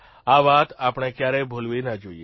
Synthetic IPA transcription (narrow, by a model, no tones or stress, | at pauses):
aːʋaːt̪aːpɳ̃ekjaːɾebʱoːlʋenad͡ʒoːiḛ